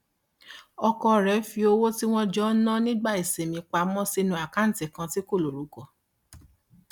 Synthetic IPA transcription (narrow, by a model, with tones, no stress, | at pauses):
ɔ˧kɔ˧ɾɛ˨˦fi˧o˧wo˦ti˦w̃ɔ̃˦d͡ʒɔ˦nã˦nĩ˦ɡ͡ba˦˨e˨se˨mĩ˧k͡pa˧˦mɔ̃˦si˧nũ˧˦a˨ka˦n̩˨tɛ˨kã˧ti˦ko˦˨lo˨ɾu˨˦kɔ˨